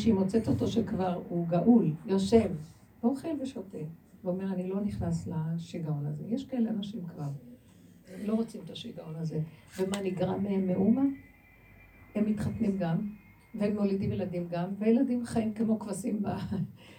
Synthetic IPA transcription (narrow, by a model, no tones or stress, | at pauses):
ʃeimo̞t͡seto̞t̪o̞ʃekvaʁuɡaʔuljoʃe̞v | voχelveʃoteveome̞ʁanilo̞niχnaslaʃiɡao̞naze̞jeʃkaeleanaʃimkvaʁ | emlo̞ʁot͡simt̪aʃiɡao̞naze̞vemaniɡʁameemːeʔuma | hemːit̪χatnimɡam | vehemːolidimjeladimɡamvejeladimχaimkemo̞kvasimba